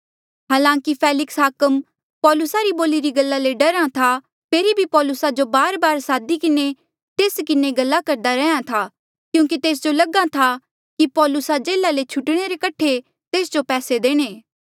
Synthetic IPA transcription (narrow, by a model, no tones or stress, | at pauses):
ɦaːlãːkipʰɛːlɪksɦaːkəm | pɔːlʊsaɾiboːliɾiɡɐlːaleɖɐɾãt̪ʰa | pʰeːɾibʱipɔːlʊsad͡ʒobaːɾbaːɾsaːd̪ikɪne | t̪eːskɪneɡɐlːakɐɾd̪aɾɛːjãt̪ʰaː | kjũːk̬it̪eːs̬d͡ʒolɐɡat̪ʰa | kipɔːlʊsad͡ʒeːlalet͡ʃʰʊʈɽ̃eɾekɐʈʰːe | t̪eːsd͡ʒopɛːsed̪eːɽ̃eː